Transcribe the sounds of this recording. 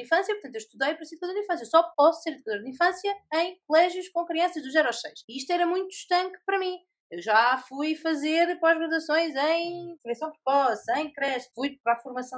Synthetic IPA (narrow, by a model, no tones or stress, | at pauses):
ĩfɐ̃sjɐpuɾt̪ɐ̃t̪ewʃt̪uðɐjpɾɐsiðukɐðoɾd̪ĩfɐ̃s̬jɐsɔpɔsu̥seɾiðukɐðoɾðĩfɐ̃sjɐɐ̃j̃kulˠɛʒjuʃkõkɾiɐ̃sɐʒðuʒɛɾɔʃsɐjʃiiʃt̪ɛɾɐmũj̃t̪u̥ʃt̪ɐ̃ŋkpɐɾɐmĩ | ewʒafujfɐzeɾpɔʒɣɾɐðɐsõj̃zɐ̃j̃fuɾisɐ̃w̃p̪pɔsɐ̃j̃kɾɛʃfujpɾafuɾmɐsɐ̃